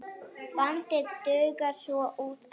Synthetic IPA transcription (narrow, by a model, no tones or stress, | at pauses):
pant̪ɪt̪œːɥkaɾ̥sɔʔuːt̪